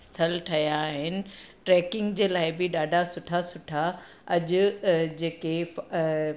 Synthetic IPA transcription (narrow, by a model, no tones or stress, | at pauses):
st̪ʰɐlʈʰɐjaɦɪnɪ̆ʈɾɛːkɪ̃ŋɡd͡ʑeːlaːɪbɪɗaːɖʱasʊʈʰasʊʈʰa | ɐʄʊ̆d͡ʑeːke